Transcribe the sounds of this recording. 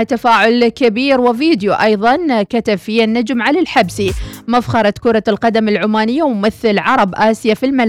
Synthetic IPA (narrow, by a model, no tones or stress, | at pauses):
t̪ːafaːʕʊlkɪbiːɾwɪviːd̪juʔɑjðˤɑnkat̪abfianːad͡ʒmʕalalħabsimafxɑɾˤɑt̪kʊɾˤɑlqɑd̪amɪlʕʊmaːnɪjːawmɪθɪlʕɑɾˤɑbʔaːsjafilmal